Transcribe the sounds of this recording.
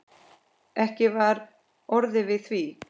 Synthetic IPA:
ɛhcɪvaɾ | ɔɾðɪvɪðθvi

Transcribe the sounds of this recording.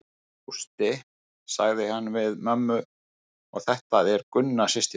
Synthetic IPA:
ust̪ɪ | saɣðɪhanːvɪðmœmːʏ | ɔɣθɛht̪aðɛɾkʏnːasɪst̪ɪ

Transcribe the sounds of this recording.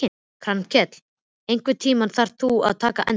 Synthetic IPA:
ɪ | kʰɾancʰɛt̪l̥ | ejŋkvɪt̪ʰiːmanθaɾ̥t̪ua̰ðt̪ʰaːkaʔɛn

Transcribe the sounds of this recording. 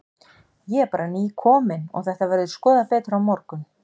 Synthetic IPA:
jɛɛɾpaːɾaniːkʰɔːmɪnɔ̰ɣθɛht̪avɛɾðɪskɔːðapɛːt̪ɾawmɔɾkʏm

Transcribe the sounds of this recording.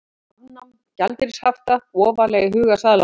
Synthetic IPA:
anːam | calt̪ɪɾshaft̪aɔːvalɛɣɪɦʏːɣasaːðla

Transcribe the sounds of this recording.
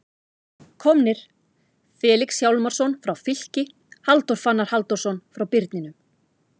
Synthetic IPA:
kʰɔmnɪɾ̥ | fɛːliksjawlmaɾ̥sɔnfɾawfɪl̥cɪ | halt̪ɔɾ̥fanːaɾ̥halt̪ɔɾ̥sɔnfɾawpɪɾt̪nɪnʏm

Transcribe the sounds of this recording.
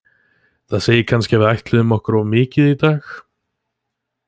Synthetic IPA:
θaðseːjɪkʰanscɪavɪðajht̪lɪðʏmɔhkʏɾavmɪːcɪðit̪aːx

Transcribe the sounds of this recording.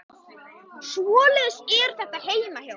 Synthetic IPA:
svɔːlɛðsɛɾ̥θɛht̪aɦeːjmahja

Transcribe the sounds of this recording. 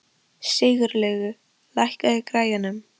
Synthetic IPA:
sɪːɣʏɾlɛːɣʏ | lajhkaðɪkɾaːjanʏm

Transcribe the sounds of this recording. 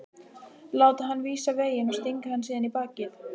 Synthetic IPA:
laːwt̪aɦanːviːsaveːjɪnɔst̪iŋkahanːsiːðanipaːcɪθ

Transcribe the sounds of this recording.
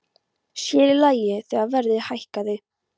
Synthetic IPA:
sjɛːɾɪlaːjɪθɛːɣaðvɛɾðɪhajhkaðɪ

